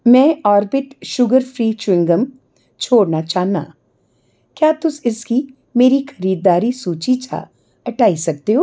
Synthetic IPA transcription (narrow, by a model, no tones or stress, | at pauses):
mɛ̃ːɔːɾbɪʈʃʊɡəɾpʰɾiːt͡ʃwɪ̃ŋɡəm | t͡ʃʰoːɽnat͡ʃaːɦna̰ː | kjaːt̪ʊsɪski | meːɾixɐɾiːd̪ːaːɾisuːt͡ʃit͡ʃʰa̰ː | ɐʈaːisɐk̚t̪eɦoː